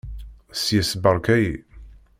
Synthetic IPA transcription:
sjəsbəɾˤkæji

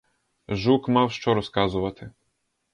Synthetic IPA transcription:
ʒukmawʃt͡ʃɔɾɔskazʊʋɐt̪ʰɪ

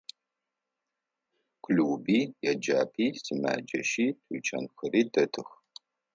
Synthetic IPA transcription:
kʷʰluːbiːjɛd͡ʒa̰ːpʰiːsima̰ːd͡ʒɐ̰ʃiːtʰut͡ʃʼɐnxɨɾiːtʰɐtʰɨx

